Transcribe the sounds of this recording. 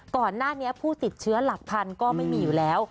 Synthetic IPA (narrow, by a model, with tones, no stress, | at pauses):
kɔː˨˩nːaː˥˩ni˦˥ɐpʰuː˥˩t̪i˨˩t̪̚t͡ɕʰɯ˦˥ɐla˨˩k̚pʰa˧nkɔː˥˩ma˥˩jmiː˧juː˨˩lɛː˦˥w